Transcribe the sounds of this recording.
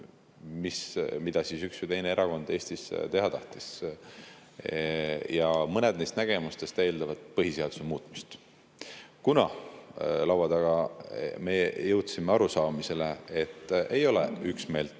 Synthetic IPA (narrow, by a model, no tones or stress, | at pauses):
mismid̪̥ɑsisyksvit̪e̞jnee̞ɾɑko̞nd̪e̞ːsʲt̪ist̪e̞ɦɑt̪ɑht̪is | jɑmɤned̪̥nejst̪næɡ̥e̞must̪e̞st̪eːld̪ɑvɑd̪̥̚pɤɦise̞ɑd̪̥u̥semuːt̪ːˑmist̪ | kunɑ | lɑwɑd̪ɑɡ̥ɑme̞jɤwt̪simeɑɾusɑːmise̞le̞et̪ːˑe̞jo̞lḛyksme̞ːlt̪